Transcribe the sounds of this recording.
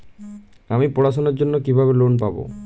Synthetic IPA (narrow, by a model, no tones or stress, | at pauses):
amipoɽas̬ɔnɔɾd͡ʒonːɔkibʱabelonpabo̰